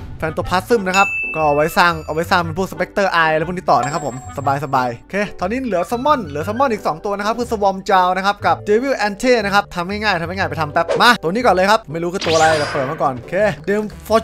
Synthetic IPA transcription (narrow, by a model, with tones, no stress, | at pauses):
fʰɛ˧nt̪u˧˩pʰaː˦˥t̪̚sɯ˥˩mna˦˥kʰa˦˥p̚kɔː˥˩ʔa˧˩wa˦˥jsaː˧˩ŋʔa˧wa˦˥jsaː˥˩ŋpe˧npʰuː˥˩k̚sa˧pe˦˥k̚t̪ɤː˥˩ʔaː˧jʰuː˥˩niː˧˥t̪ɔː˨˩na˦˥kʰa˦˥pʰːo˩˦msa˧baː˧jsa˧baː˧jkʰeː˧˩t̪ʰɔː˧niː˦˥lɯ˨˩˦ɐsa˧˥mːɔ˥˩nlɯ˩˦sɔ˧mɔ˥˩nʔiː˨˩k̚sɔː˨˩˦ŋt̪u˧ɐna˥a˦˥p̚kʰɯː˧˥˩sa˧wɔ˧mt͡ɕaː˧wna˦˥kʰa˦˥p̚ka˨˩p̚deː˧wi˧˥˩wʔɛ˧nt̪ʰeː˥˩na˦˥kʰa˦˥p̚t̪ʰa˧mːŋaː˥˩jŋaː˥˩jt̪ʰa˧mːŋa˥˩ŋːaː˥˩pjt̪ʰa˧mpɛː˦˩p̚ma˧˥˩t̪u˧niː˦˥kɔː˨˩nlɤː˧jkʰa˦˥p̚ma˥˩jɾu˦˥ɯː˧˩t̪u˧ɐla˧˩jt̪ɛː˨˩pɤː˨˩t̚maː˥˩kɔː˨˩nkʰeː˦˧˩deː˧mfɔː˧˥